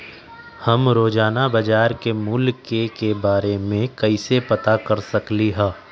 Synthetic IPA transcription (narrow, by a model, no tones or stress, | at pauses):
hɐmɾoːd͡ʒaːnabɐd͡ʒaːɾkemuːlkekebaːɾemẽkɐisepɐt̪akɐɾsɐkliɦɛː